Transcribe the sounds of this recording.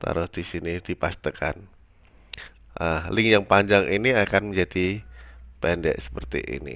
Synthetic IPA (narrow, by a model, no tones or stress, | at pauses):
t̪a̰ɾʊsdisinid̥ipast̪əkʰa̰n | ʔahlɪŋjaŋpaɲd͡ʒaŋʔiniakanməɲd͡ʒadi | pɛndɛ̰ʔsə̥pərt̪ḭʔḭnḭ